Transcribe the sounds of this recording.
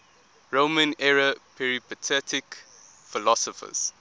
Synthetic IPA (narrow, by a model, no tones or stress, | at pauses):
ɹomə̃nɛɹəpʰɛɹipətʰɛtʰɪk | filɔsɔfə̰z̥